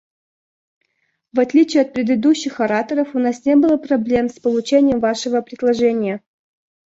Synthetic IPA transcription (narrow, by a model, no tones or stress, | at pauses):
vɐt̪lʲit͡ɕɪjɐt̪̚pɾʲɪd̪ɨd̪uɕːɪxɐɾat̪əɾəfʊnasnʲebɨlˠəpɾɐblʲe̞mspəlˠʊt͡ɕenʲɪjəmvaʂɨvəpɾʲɪd̪lˠɐʐɛnʲɪjə